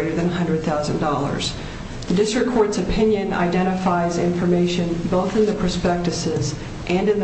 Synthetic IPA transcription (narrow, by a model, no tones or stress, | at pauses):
ɪɾə˞ðɨ̃nəɦʌ̃ndɹɨd̪̚θaʊzɨ̃ndɔlˠə̰˞z̥ | ðɨdɪstɹ̥ɨkʰːɔɹtsɨpʰɪ̃njɨ̃na̰ɪdɛ̃ɾ̃ɨfaɪzɪ̃ɱfə˞meɪʃɨ̃nboʊθɨ̃nðɨpʰə˞spɛk̚tɨsɪz | ʔɨ̃nɨ̃nð